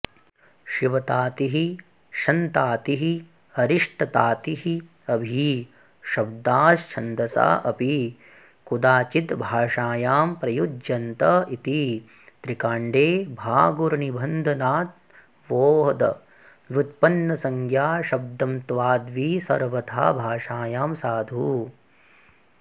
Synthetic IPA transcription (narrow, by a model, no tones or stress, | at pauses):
ʃiʋɐt̪aːt̪iɦi | ʃɐnt̪aːt̪iɦi | ɐɾiʂʈʰɐt̪aːt̪iɦi | ɐbʱi | ʃɐb̚d̪aːst͡ʃʰɐnd̪ɐsa̰ːʔɐpi | kud̪aːt͡ʃit̪bʱaːʂaːjaːmpɾɐjud͡ʒjɐnt̪ɐit̪i | t̪ɾikaːɳɖeːbʱaːɡuɾɐnibʱɐnd̪ʱɐnaːt̪̚ | ʋoːɦɐd̪ɐ̰ | ʋut̪̚pɐnːɐsɐŋkʰjaːʃɐb̚d̪ɐmt̪ʋaːd̪ʋiːsɐ̰ɾʋɐt̪ʰa̰ːbʱaːʂaːjaːmsaːd̪ʱuː